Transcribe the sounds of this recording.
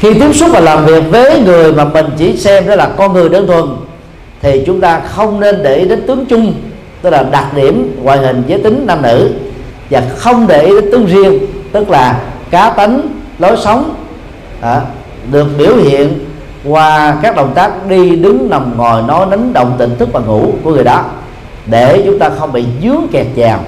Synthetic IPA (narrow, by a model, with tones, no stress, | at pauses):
xi˧t̪i˨˦əŋsu˦˥t̚vaː˨˩laː˨˩mvi˨˩ək̚vəː˨˦ŋɨ˨˩əjmaː˨˩mï˨˩ŋ̟t͡ɕḭ˧˩˦sɛ˧mɗɔ˨˦jlaː˨˩kɔ˧nŋɨ˨˩əjɗə˧˩nt̪ʰwə˨˩n | t̪ʰi˨˩t͡ɕʊ˨˦ŋ͡mt̪aː˧xə˧wŋ͡mne˧nɗe˧˩ʔi˨˦ɗe˨˦nt̪ɨ˨˦əŋt͡ɕʊ˧ŋ͡m | t̪ɨ˦˥k̚laː˨˩ɗa˨˩t̚ɗi˧˩əmŋwaː˧˨jɦï˨˩ŋ̟zəː˨˦jt̪ï˨˦ŋ̟na˧mnɨ̰˧˥vaː˨˩xə˧wŋ͡mɗe˨˩ʔi˨˦ɗe˨˦nt̪ɨ˨˦əŋzi˧əŋt̪ɨ˦˥k̚laː˨˩kaː˨˦t̪a˨˦jŋ̟ | lo˨˦jsə˨˦wŋ͡m | ɗɨ˨˩ək̚ɓi˧˩əwhḭ˧˨ən | kwaː˧kaː˦˥k̚ɗə̰˨˩wŋ͡mt̪aː˦˥k̚ɗi˧ɗɨ˨˦ŋna˨˩wŋ͡mŋɔ˨˩jnɔ˨˦jna˨˦ŋɗə̰˧˨wŋ͡mt̪ḭ˧˨ŋ̟t̪ʰɨ˦˥k̚vaː˨˩ŋṵ˧˩˥ku˧˩əŋɨ˨˩jɗɔ˨˦ | ɗe˧˩t͡ɕʊ˨˦ŋ͡mt̪aː˧xə˧wŋ͡mɓḭ˧˨zɨ˨˦˥əkɛ˨˩t̚t͡ɕaː˨˩m